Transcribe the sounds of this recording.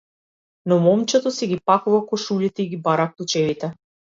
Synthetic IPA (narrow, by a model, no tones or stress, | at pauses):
nɔmɔmt͡ʃɛt̪ɔsɛɡʲipakuvakɔʃuʎit̪ɛiɡibaɾaklˠut͡ʃɛvit̪ɛ